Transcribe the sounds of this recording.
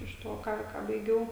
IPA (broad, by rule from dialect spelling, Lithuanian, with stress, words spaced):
ɪʃ ˈtoː ˈkɑː kɑː bɐɪˈɡʲɛʊ